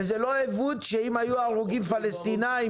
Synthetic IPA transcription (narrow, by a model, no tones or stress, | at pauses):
zelo̞evut̪ʃeimajuaʁuɡimfalest̪inai